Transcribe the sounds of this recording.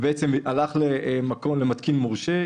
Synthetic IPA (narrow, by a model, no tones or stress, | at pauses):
beet͡semalaχlemako̞mlemat̪kinmoʁʃe